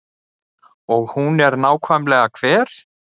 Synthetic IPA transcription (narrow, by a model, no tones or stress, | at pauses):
ɔɣhunɛɾnaːwkʰvajmlɛːɣakʰv̥ɛːɾ̥